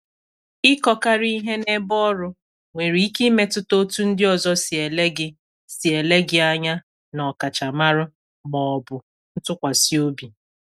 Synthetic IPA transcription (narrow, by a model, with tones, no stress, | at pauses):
ɪ˦kɔ˦ka˦ɾi˦i˦ɦe˦ne˦bɔ˦ɾʊ˦ | ŋʷe˨ɾi˨i˦ki˦me˦tʊ˦to˦tu˦n̩˦dɪ˦ɔ˨zɔ˦sɪ˨e˨le˦ɡɪ˦ | si˨e˨le˦ɡɪ˦a˦ɲa˦ | nɔ˨ka˨t͡ʃa˨ma˦ɾʊ˦ | mɔ˨ɔ˨bʊ˨ | n̩˦tʊ˦kʷa˨si˦o˦bi˨